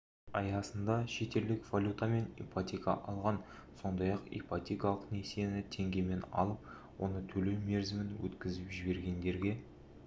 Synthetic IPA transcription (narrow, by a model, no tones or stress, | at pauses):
ɑjɑsənd̪ɑʃe̞t̪e̞ld̪ɪkv̥alʲut̪ame̞nḛjpat̪ʲikɑ̰ʔɑlˠʁɑn | so̞nd̪ɑjɑqḛjpat̪ʲikalˠəqne̞senɪt̪ʰe̞ŋɡʲe̞me̞nɑ̰lˠəp̚ | wo̞̰nət̪ʰɵle̞wme̞ɾzɪmɪnwɵ̰t̪kʲɪzɪpʒɪbe̞ɾɡʲe̞nd̪e̞ɾɡʲe̞